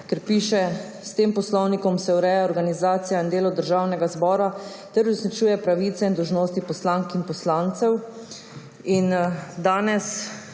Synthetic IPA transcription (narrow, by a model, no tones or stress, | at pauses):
kɛɾpiʃɛ | st̪eːmpɔslɔwnikɔmsɛwɾɛjaɔɾɡanizaːt̪sijaind̪eːlɔd̪əɾʒawnɛɡazbɔːɾa | t̪ɛɾuznit͡ʃuːjɛpɾaʋit̪sɛind̪ɔwʒnoːst̪ipɔslaŋkinpɔslaːnt̪sɛw | ind̪aːnɛs